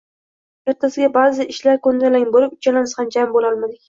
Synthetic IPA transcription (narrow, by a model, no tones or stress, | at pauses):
e̞ɾt̪ʰasɪɡʲabazɪʔɪʃlaɾkɵnd̪alaŋboɾɪp̚ʊ̥t͡ʃʰalanɪsand͡ʒambolɒlˠmad̪ɪkʲ